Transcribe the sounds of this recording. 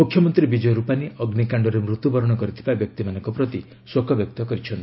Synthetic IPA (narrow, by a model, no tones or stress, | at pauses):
mukʰjɔmɔnt̪ɾibid͡ʒɔjɾupaniʔɔɡnikaɳɖɔɾemɾut̪ubɔɾɔɽ̃ɔkɔɾit̪ʰibabjɔk̚t̪imanɔ̃ŋkɔpɾɔt̪i | swokʰɔbjɔk̚t̪ɔkɔɾit͡ʃʰɔnt̪